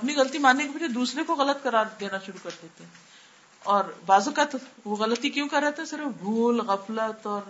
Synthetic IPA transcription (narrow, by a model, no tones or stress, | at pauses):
ɐpniɣɐlt̪imaːnːekebɐd͡ʒed̪uːsɾekoɣɐlət̪kɐɾaːɾd̪eːnaʃʊɾukɐɾd̪eːt̪eɦɛ̃ | ɔːɾbaːzəkət̪ʋoɣɐlət̪ikjõːkɐɾːɛɦt̪eɦɛ̃sɪɾəfbʱuːlɣɐflət̪ɔːɾ